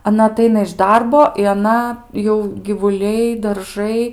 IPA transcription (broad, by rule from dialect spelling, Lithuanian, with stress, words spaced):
ɐˈnɐ ɐˈtɐɪnɐ ɪʃ ˈdɐrboː ɪ ɐˈnɐ jɛʊ ɡʲɪʋʊˈlʲɛɪ dɐrˈʒɐɪ